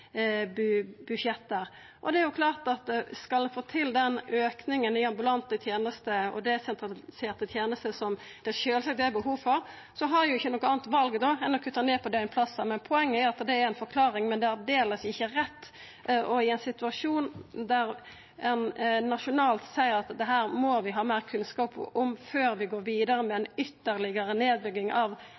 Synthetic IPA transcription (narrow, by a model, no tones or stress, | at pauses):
bʉbʉʃjɛt̪ːəɾ | ʔɔd̪ɛæɾjʊkʰlɑːʁt̪ɑt̪skɑlɛnfoːt̪ʰɪld̪ɛnøːknɪŋənɪɑmbʉlɑnt̪ət̪ʰjeːnəst̪əɔ̰d̪ɛsɛnt̪ʰɾɑlseːɾt̪ət̪ʰjeːnəst̪əsɔm | d̪̥ɛʃøːlsɑk̚d̪ɛæbəɦuːʋfɔɾ | sɔɦɑjʊɪçːənɔkːɔɑːnt̪ʋɑlɡəd̪ɔɛnɔkʰʉt̪ːəneːpʰɔd̪ɛɪnpʰlɑsːɑmɛnpʰɔɛŋːəæɾɑt̪d̪ɛæɾɛɪnfɔɾkʰlɑːɾɪŋmɛnd̪ɛæɾd̪eːləsɪçːəɾɛt̪ː | ʔɔɪɛnsɪt̪ʉɑʂuːnd̪æɾ | ɛnnɑʂʊnɑːlt̪sæɪəɾɑt̪d̪ɛɦæːɾmɔʋɪɦɑːmæːɾkʰʉnskɑːpɔmføːɾʋɪɡoːɾʋiːd̪əɾəmɛɛnʏt̪ːəɾlɪɡəɾəneːd̪bʏɡːɪŋɑʋ